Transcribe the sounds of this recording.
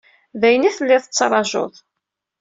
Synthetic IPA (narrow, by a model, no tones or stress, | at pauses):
væjənæθəlːɪðˤət͡sːɾˤɑʒo̰ðˤ